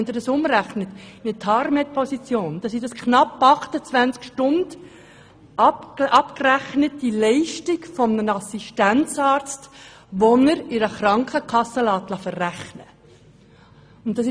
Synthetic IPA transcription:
nd̪ədɑsʊmræχnət̪mɪtʰhɑɾmɛt̚pʰɔsit͡sjoːnd̪̥ɑsidɑskʰnɑpːɑχtət͡svænt͡skʃtʊnd̥ | ɑpʔɑpkræχnətːilɛɪʃtikfɔmnənɑsiʃtænt͡sɑːɾt͡st | ʋɔnəɾɪɾəχrɑŋkχəkʰɑsːəlɑːt̪lɑfərːæχnə | ʊnt̪̚ːɑsɪ

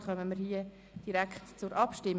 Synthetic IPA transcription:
χœməməɾhiə | d̥iɾækχtt͡sʊɾʔɑpʃtɪm

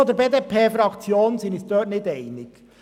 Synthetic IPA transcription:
oːd̪əɾbeːd̪eːpʰeːfɾɑkt͡sjoːnənsɪnɪsd̥̪œːtnɪdɛɪnɪɡ̥

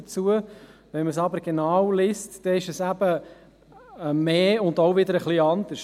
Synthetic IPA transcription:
ət͡suəʋɛnməsɑbəɾɡ̥enaɑːwlɪstd̥ɛɪʃəsæb̥ə | meːʊndoʊvɪd̪əɾəχliɑnd̪əʃ

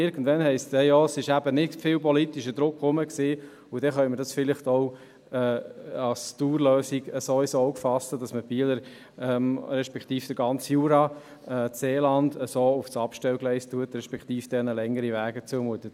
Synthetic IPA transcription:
ɪɾɡn̩dvɛnhɛɪstɛjɔːsɪʃæbənɪtfɪlpɔlit̪iʃəd̥̪ɾʊkχʊməksiː | ʊd̥ɛχœnməɾdɑsfɪlɪχtoʊ | ɛːɑlstuːɾløːsiɡəsoːɪsɔoʊkfɑsədɑsməb̥iːələɾ | ɛːmɾɛʃpɛkχt̪iːfd̥əɡɑnt͡sjuːɾɑ | ɛːseːlɑndəsoːʊfsɑpʃtɛlɡlɛɪstuətɾɛʃpɛkt̪iːfd̥ɛnəlɛŋːəɾiʋæːɡət͡suəmuət̪ə

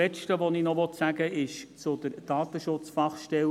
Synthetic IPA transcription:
ɛʃtəʋɔninɔʋɔt̪sæɡəɪʃt͡sʊd̪əɾd̥ɑːt̪əʃʊt͡sfɑχʃtɛl

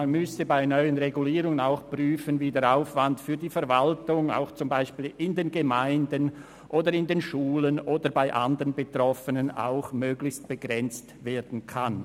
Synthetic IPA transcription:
anmʏsəbaɪnɔʏənʁeɡuliːɾʊŋənaʊxpʁyːfənviːdɛːɐɾaʊfv̥antfyːɐdiːfɛʁvaltʊŋa̰ʊxt͡sʊmbaɪʃpiːlɪndeːnɡemaɪndən | ʔoːdəɾɪndeːnʃuːlənoːdəɾbaɪʔa̰ndəʁənbetʁ̥ɔfənəna̰ʊxmøːɡlɪçst̚b̥əɡʁɛnt͡stveːd̥n̩kʰan

